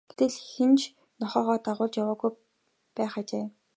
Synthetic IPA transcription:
ɡ̥e̥t̪ɘ̆ɮxent͡ɕʰ | nɔχɔːʁɔːt̪aʁʊːɮt͡ɕjawaːɣuj | pæːχat͡ɕeː

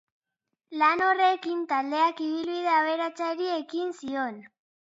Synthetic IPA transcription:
lano̞re̞kint̪ald̪e̞akiβilβið̞e̞aβe̞ɾat͡saɾie̞kinsio̞n

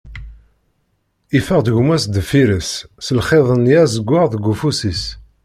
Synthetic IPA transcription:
ifəʁd̪əʝmæsd̪əfiɾəsːəlχeðˤənjæzəɡʷːəʁðəɡʷːufusis

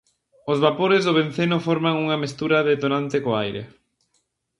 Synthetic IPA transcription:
ozβapoɾɪzðʊβ̞en̟θenʊfɔɾmaŋuŋɐmest̪uɾaðet̪onant̪ɪkoajɾḛ

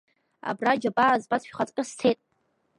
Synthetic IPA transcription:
a̰brad͡ʒabazbat͡sʰʼʃᶣχat͡sʼkʲʼastʰejtʼ

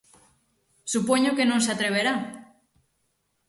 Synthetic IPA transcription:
supoɲokenõŋseat̪ɾeβ̞eɾa

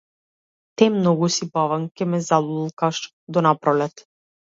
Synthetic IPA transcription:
t̪ɛmnɔɡusibavaŋkʲɛmɛzalˠuilˠkaʃ | d̪ɔnapɾɔlɛt̪

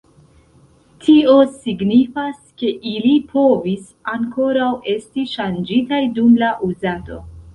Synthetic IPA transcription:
tʰio̞siɡnifaske̞ʔilipʰo̞vis | aŋko̞ɾawe̞stiʃand͡ʒitajdumlaʔuzato̞̰

